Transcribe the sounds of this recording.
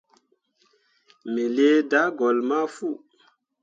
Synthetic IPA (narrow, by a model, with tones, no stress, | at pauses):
me˨le˦da˨˦ɡɔ˨lma˦fu˦˨